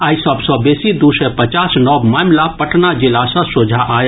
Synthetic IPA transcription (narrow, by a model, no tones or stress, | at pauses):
aːisəbsɔ̃besid̪usɛjpət͡ʃasnɔbmamlapəʈnad͡ʒilasə̃sod͡ʒʱaʔaj